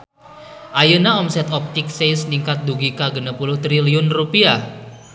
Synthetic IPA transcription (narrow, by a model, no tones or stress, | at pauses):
ʔajənaɔmsɛt̪ɔp̚t̪ɪk̚sejsniŋkat̪̚d̪uɡikaɡənəpulʊht̪ɾiliʊnrupia